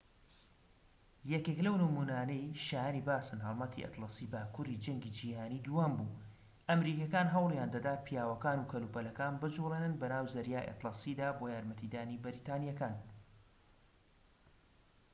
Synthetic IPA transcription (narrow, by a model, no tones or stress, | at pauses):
jɛkeklɐwnɨmunaːnɐjʃaːjaniːbaːsɨnɦɑlˠmɐt̪ʰḭʔɐ̰t̪lˠɑsiːbaːkuɾid͡ʒɐŋɡiːd͡ʒiːhaːniːd̪uwaːmbuː | ʔɐmɾiːkɐkaːnɦɐwlˠjaːnd̪ɐd̪aːt̪̚pʰijaːwɐkaːnuːkʰɐluːpɐlɐkaːnbɨd͡ʒuleːnɨnbɐnaːwzɐɾjaːjʔḛt̪lɑsiːd̪aːbojaːɾmɐt̪ʰid̪aːnibɨɾiːt̪aːnijakaːn